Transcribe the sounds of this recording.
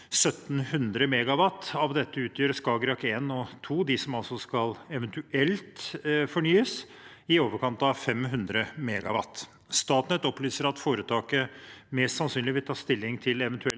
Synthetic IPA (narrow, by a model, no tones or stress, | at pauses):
sœt̪ːn̩hʉnd̪ɾəmɛːɡɑʋɑt̪ːɑʋd̪ɛt̪ːəʉːt̪ʰjøːɾskɑːɡɾɑkeːnɔt̪ʰuːd̪ɪsɔmɑlsɔskɑlɛʋɛənt̪ʉʔɛlt̪fɔɳyːəs | ɪoːʋəɾkɑnt̪ɑʋfɛmɦʉnd̪ɾəmɛːɡɑ̰ʋɑ̰t̪ː | st̪ɑːt̪nət̪ɔplyːsəɾɑt̪foːɾət̪ʰɑːkəmɛst̪sɑnsyːnɪʋɪlt̪ʰɑːst̪ɪlːɪŋt̪ʰɪlɛʋɛnt̪ʉɛl